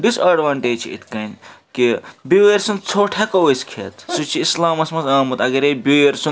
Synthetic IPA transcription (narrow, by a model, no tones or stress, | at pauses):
ɖisɐɖʋaɳʈeːd͡ʒt͡ʃʰḭḭt̪ʰkɐnkibieɾsunt͡sʰoːʈʰekɐweskʰḛt̪sut͡ʃʰiːslaːmɐsmɐsɐːmut̪ɐɡɐɾebʲueɾsu